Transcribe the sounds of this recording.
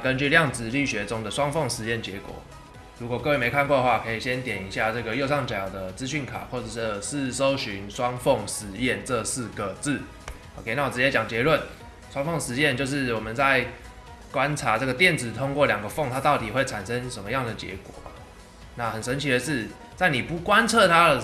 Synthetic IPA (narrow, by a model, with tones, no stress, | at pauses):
kə˦nt͡ɕy˥˧ljɑ˥˩ŋt͡sɹ̩˨˩ly˥˨˩ɕɥɛ˧˥t͡sʊ˦˥ŋd̪ə˨swɑ˥ŋfɔ˥˩ŋʂɻ̩˧˥jɛ˥˩nt͡ɕjɛ˧˥˦kwɔ̰˨˩˦ | ɻu˧˥kwɔ˨˩kɤ˥˧we˥˩me˧˥ɪkʰa˥˧nkwɔ˥˩d̪ə˧xwa˥˨˩kʰɤ˧˥i˨˩ɕjɛ˦nt̪jɛ˨˩ni˧˥ɕja˥˧ʈ͡ʂɤ˥˩ɡə˩jo˥˧ʊʂɑ˥˩ŋt͡ɕa˨˩jd̪ə˦t͡sɹ̩˦ɕy˥˩nkʰa̰˨˩xwɔ˥˩ʈ͡ʂə˨˩˥ʂ̩˥˩so˦ʊɕy˧˦nʂwɑ˦˥ŋfɔ˥˩ŋʂɻ̩˧˥˦jɛ˥˨nʈ͡ʂə˥˧sɹ̩˥˩ɡə˩t͡sɹ̩˥˩ | o˧kʰe˥˩ɪna˥˩wɔ˨˩ʈ͡ʂɻ̩˧t͡ɕjɛ˥t͡ɕjɑ˨˩ŋt͡ɕjɛ˧˦lwə˥˩n | ʂwɑ˥ŋfo˥˩ŋʂɻ̩˧˥jɛ˥˧nt͡ɕjo˥˧ʊʂ̬ɻ̩˥˩wɔ˨˩mə˨˦nt͡sa˥˩ɪ | kwa˦nʈ͡ʂʰa˧˦ʈ͡ʂɤ˥˩ɡə˩t̪jɛ˥˨nd͡zɹ̩˨˩t̪ʰo˥ŋkwɔ˥˩ljɑ˨˩ŋɡə˦fɔ˥˩ŋt̪ʰa˦˥t̪ɑ˥˩ʊt̪i˨˩xwe˥˩ɪʈ͡ʂʰa˨˩nʂə˦ŋʂə˧˦nmə˦jɑ˥˩ŋd̪ə˩t͡ɕjɛ̰˧˥kwɔ̰˨˩ba̰˩ | na˥˩hə˨˩nʂə˧˦nt͡ɕʰi˧˥d̪ə˧ʂɻ̩˥˧ | t͡sa˥˩ɪni˨˩pu˧˥kwa˦nt͡sʰɤ˥˨t̪ʰa˦˥də˨